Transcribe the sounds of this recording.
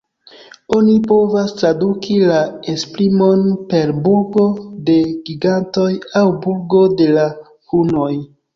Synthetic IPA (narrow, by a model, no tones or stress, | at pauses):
o̞nipo̞vastɾadukʰilaespɾimo̞npe̞ɾbuɾɡo̞de̞ɡiɡanto̞jawbuɾɡo̞de̞la | huno̞j